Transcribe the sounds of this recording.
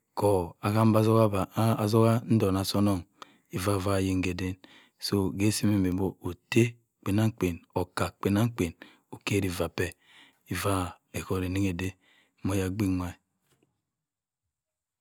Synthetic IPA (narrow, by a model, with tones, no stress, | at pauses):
ko˨a˨ka˦m˦ba˦zo˦ka˦ba˨zo˦ɣa˦n̩˦do˨na˨so˦no˦˨ŋ | i˨va˦˨va˦˨je˨ŋ˦ɡe˨de˦n | so˦ɡe˦si˦me˨me˨bo˦o˨te˦ | k͡pe˨na˦ŋ˦k͡pe˨no˨ka˨k͡pe˨na˦ŋ˦k͡pe˨n | o˨ke˦ɾi˨va˨pe˨ | i˨va˦ | e˨ko˨ɾi˨ni˦ŋe˨de˦ | mo˨ja˨ɡ͡bi˦ma˦i˨